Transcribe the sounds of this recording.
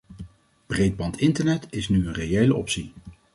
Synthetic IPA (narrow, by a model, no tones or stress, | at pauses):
b̥rejd̚bɑntʰɪntəɹnɛtɪsnyənrejejləʔɔpsi